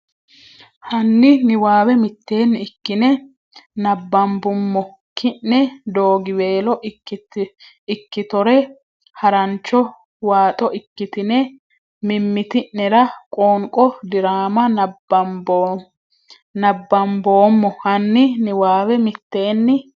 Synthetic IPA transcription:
hɐnːɪnɪwaːwɛmɪt̪ːe̞ːnːɪɪkːɪnɛ | nɐbːɐmbʊmːɔ | kʰɪnːɛd̪oːɡɪwe̞ːlɔʔ | ɪkːɪt̪ɔɾɛ | hɐɾɐnt͡ʃːɔ | waːt̪ʼɔʔɪkːɪt̪ɪnɛ | mɪmːɪt̪ɪnːɛɾɐkʼoːŋkʼɔd̪ɪɾaːmɐ̥ | b | nɐbːɐmbo̞ːmːɔhɐnːɪnɪwaːwɛmɪt̪ːe̞ːnːɪ

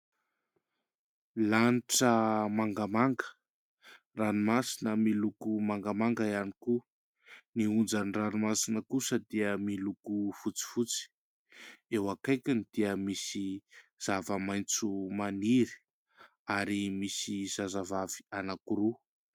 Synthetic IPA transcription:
laniʈ͡ʂəmaŋɡamaŋɡə̥ | ranimasinəmilukumaŋɡamaŋɡəianiku | niund͡zaniranimasinəkusəd̪iəmilukufut͡si̥fut͡si̥ | ewakajkʲanid̪̥iəmisiz̥avəmajnt͡sumaniɾi̥ | aɾimisiz̥azavavi̥anakuɾu

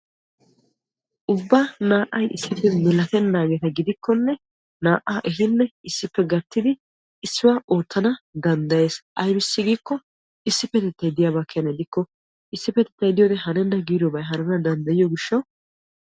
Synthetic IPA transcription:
ʔʊbːaːnaːʔɐjʔɪsːɪpːɛmɪlɐt̪ɛnːaːɡɛt̪ɐɡɪd̪ɪkːɔnːɛ | naːʔːaːʔɛɦɪnːɛɪsːɪpːɛɡɐt̪ːɪd̪ɪ | ɪsːɪwaːʔoːt̪ːɐnɐd̪ɐnd̪ɐje̞ːsʔɐjbɪsːɪɡiːkːɔ | ɪsːɪpːɛt̪ɛt̪ːɐjd̪ɪjaːβakʰːɛnɐd̪ɪkːɔ | ɪsːɪpɛt̪ɛt̪ːɐjd̪ɪjoːd̪ɛɦɐnɛnːɐɡiːɾobɐjɦɐnɛnɐd̪ɐnd̪ɐjɪjɔɡɪʃːɐw

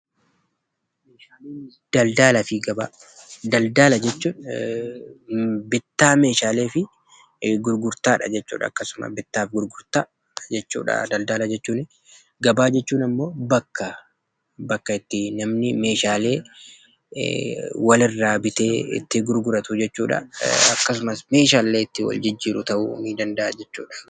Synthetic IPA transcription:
d̪̥ɐld̪aːlɐfɪɡɐbaː | d̪ɐld̪aːlɐd͡ʒɛt͡ʃːuː | bɪt̪ːaːme̞ːʃaːle̞ːfɪ | ɡʊɾɡʊɾt̪aːᶑɐ̰d͡ʒɛt͡ʃːṵːᶑɐ̰ːkːɐsʊmɐ̰bɪt̪ːaːfɡʊɾɡʊɾt̪aː | d͡ʒɛt͡ʃːṵːᶑɐ̰d̪ɐld̪aːlɐd͡ʒɛt͡ʃːuːnɪ | ɡɐbaːd͡ʒɛt͡ʃːuːnɐmːo̞ːbɐkːɐ | bɐkːɐɪt̪ːɪnɐmnɪme̞ːʃaːle̞ː | wɐlɪrːaːbɪt̪eːɪ̰t̪ːɪɡʊɾɡʊɾɐt̪ʊd͡ʒɛt͡ʃːuːᶑɐ̰ɐkːɐs̬ʊmɐsme̞ːʃaːlːeːɪt̪ːɪwɐ̰ld͡ʒɪd͡ʒːiːɾʊt̪ɐʔṵːmiːd̪ɐnd̪ɐʔɐd͡ʒɛt͡ʃːuːᶑɐ̥

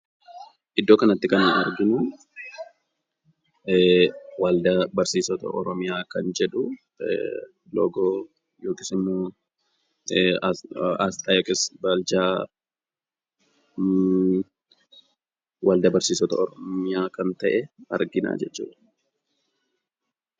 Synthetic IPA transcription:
ʔɪd̪ːo̞ːkɐnɐt̪ːɪkɐnnɐɾɡɪnʊ | wald̪ɐbɐɾsiːsɔt̪ɐ̰ʔɔɾɔmɪjaːkɐnd͡ʒɛᶑʊ | lo̰ːɡoː | joːkɪsɪmːoː | ast̪aːjoːkʼɪsbɐld͡ʒaː | wɐld̪ɐbɐɾsiːsɔt̪ɐɔɾɔmɪjaːkɐnt̪ɐʔɛɐɾɡɪna̰ːd͡ʒɛt͡ʃːṵːᶑɐ̥

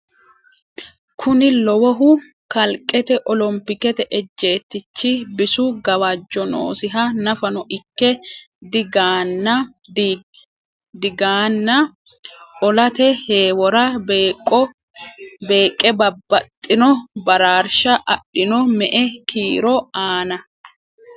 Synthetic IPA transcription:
kʰʊnɪlɔwɔɦʊ | kɐlkʼːɛt̪ɛʔɔlɔmpɪkɛt̪ɛʔɛd͡ʒːe̞ːt̪ːɪt͡ʃːɪbɪsʊɡɐwad͡ʒːɔno̰ːsɪɦɐnɐfɐnɔʔɪkːɛ | d̪ɪɡaːnːɐ | d | d̪ɪɡaːnːɐ | ʔɔlɐt̪ɛheːwɔɾɐkʼːɔ | be̞ːkʼːɛbɐbːɐt̪ʼːɪnɔbɐɾaːɾʃɐʔɐɗːɪnɔmɛʔɛkʰiːɾɔaːnɐ

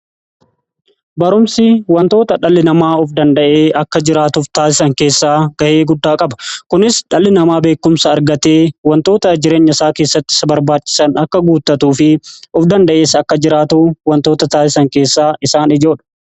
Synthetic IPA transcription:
bɐɾʊmsɪwɐnt̪o̞ːt̪ɐᶑɐlːɪnɐmaːɔfd̪ɐnd̪ɐʔe̞ːɐkːɐd͡ʒɪɾaːt̪ʊft̪aːsɪsɐŋke̞ːsːaːɡ̥ɐʔe̞ːɡʊd̪ːaːkʼɐbɐ̥kʊnɪsᶑɐlːɪnɐmaːbe̞ːkːʊmsɐːɾɡɐt̪e̞ːwɐnt̪o̞ːt̪ɐd͡ʒɪɾeːɲːɐɪsaːke̞ːsːɐt̪ːɪ̥sɐbɐɾbaːt͡ʃːɪ̥sɐnɐkːɐɡuːt̪ːɐt̪uːfɪʊfd̪ɐnd̪ɐʔe̞ːsɐkːɐd͡ʒɪɾaːt̪uːwɐnt̪o̞ːt̪ɐt̪aːsɪsɐŋke̞ːsːaːʔɪsaːnɪd͡ʒo̞ːᶑɐ̥

